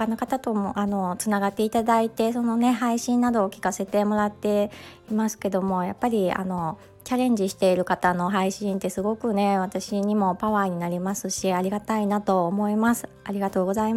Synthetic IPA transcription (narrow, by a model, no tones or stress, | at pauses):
okanokat̪at̪o̞moʔano̞t͡sɨnaɡat̪ːe̞it̪ad̪ait̪e̞so̞no̞ne̞ɦaiɕĩnːad̪o̞ːkʲi̥kase̞t̪e̞mo̞ɾat̪ːe̞imasɨ̥ke̞d̪o̞mo̞japːaɾʲia̰no̞ | t͡ɕaɾẽ̞ɲ̟d͡ʑiɕi̥t̪e̞iɾɯ̟kat̪ano̞ɦaiɕĩnt̪e̞sɨɡo̞kɯ̟ne̞βat̪aɕiɲ̟imo̞paβaːɲ̟inaɾʲimasɨɕiaɾʲiɡat̪ainat̪o̞ːmo̞imasɨ̥aɾʲiɡat̪o̞ːɡo̞zai